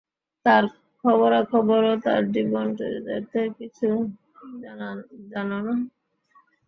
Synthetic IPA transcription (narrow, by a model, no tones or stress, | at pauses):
t̪aɾ | kʰɔβoɾakʰɔboɾot̪a̰ɾdibonʈḛɾd̪ḛɾt̪ekit͡ɕʰu | d͡ʑanona